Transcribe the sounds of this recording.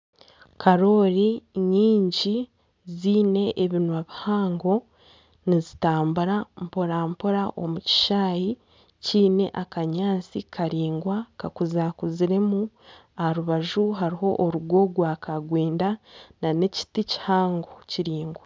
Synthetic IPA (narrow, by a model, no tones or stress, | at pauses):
kʰaɾo̞ɾiɲiːɲɟi | ziːne̞ʔeβinwaβihaːŋɡo̞ | nizitaːmbuɾampoɾaːmpuɾaʔo̞muci̥ʃaːji | ciːne̞̰ʔakaɲaːt͡sikʰaɾiːŋɡwakakuzakuziɾe̞mu | ahaɾuβaʒuɦaɾiɦo̞ʔːɾuɡwo̞ɡwaːkʰaɡweːndanane̞ci̥tici̥haːŋɡociɾiːŋɡwa